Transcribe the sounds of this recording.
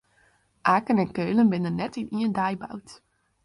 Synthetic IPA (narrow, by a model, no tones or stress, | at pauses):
ʔaːkənɛnkøɥlənbɪnənːɛtɪnʔiəndaːjba̰wt